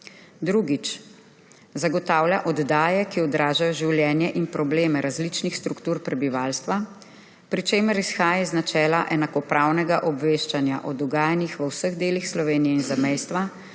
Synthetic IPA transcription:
d̪ɾuɡit͡ʃ | zaɡɔt̪aːwljaʔɔd̪d̪aːjɛkiɔd̪ɾaːʒajɔʒiwljɛːnjɛʔinpɾɔbleːmɛɾʔazlit͡ʃnixst̪ɾukt̪uːɾpɾɛbiʋaːlst̪ʋa | pɾit͡ʃeːməɾisxaːjaznat͡ʃɛːlaʔɛnakɔpɾaːwnɛɡaʔɔbʋeːʃt͡ʃanja̰ʔɔd̪ɔɡaːjanixʋəwsəɣd̪eːlixslɔʋeːnijɛinzamɛjst̪ʋa

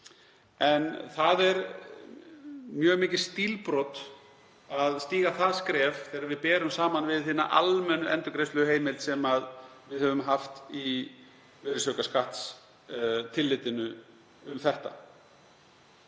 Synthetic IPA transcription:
ɛnθaðɛɾ | mjœːɣmɪːcɪɾ̥st̪iːlpɾɔt̪ | aðst̪iːɣaθaðskɾɛːvθɛːɾaɾvɪðpɛːɾʏmsaːmanvɪðθiːna̰ʔa̰lmɛnːʏʔɛnt̪ʏɾkɾejst̪lʏheːjmɪlt̪sɛmaðvɪðhœvʏmɦaft̪i | vɪɾɪsœkaskaht̪s | t̪ʰɪlːɪt̪ɪnʏ | ʏmθɛht̪a̰

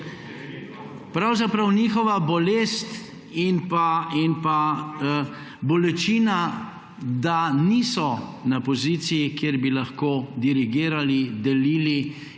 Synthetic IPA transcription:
pɾawzapɾawniːxɔʋabɔleːst̪ | inpainpa | bɔlɛt͡ʃiːna | d̪aniːsɔnapɔziːt̪sijikjeɾbilaxkoːd̪iɾiɡiːɾalid̪ɛliːli

